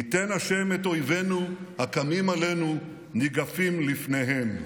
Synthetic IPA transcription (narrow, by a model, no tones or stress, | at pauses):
ite̞nhaʃe̞meto̞jve̞nuhakamimalenu | niɡafimlifne̞ɦem